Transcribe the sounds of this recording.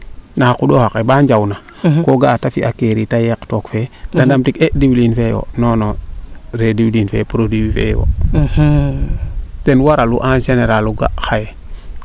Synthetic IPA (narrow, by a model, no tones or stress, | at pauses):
nakuɗohakebaɲd͡ʒawna | koɡatafḭʔakeɾitajektokfedandamtikediwlinfewo̰nonoɾediwlinfḛpuɾodiwifḛwo̰ | tenwaɾaluʔanʃeneɾaluɡa̰xaje